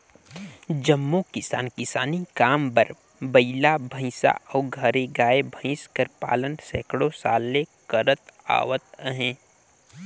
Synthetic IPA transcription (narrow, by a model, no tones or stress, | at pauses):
d͡ʒəmːokɪsa̰ːnkɪsaːnikaːmbəɾ | bəɪlabʱə̃ɪ̃sa̰ɔːɡʱəɾeɡaːebʱə̃ɪ̃skəɾpa̰ːlənsɛːkɽõsaːlːekəɾət̪a̰ːʋət̪̚əɦẽː